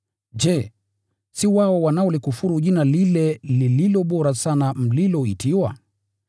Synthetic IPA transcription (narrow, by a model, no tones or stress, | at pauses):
ʄɛ | siwaɔwanaɔlikufuɾuʄinalilɛlililɔɓɔɾasanam̩lilɔitʰiwa̰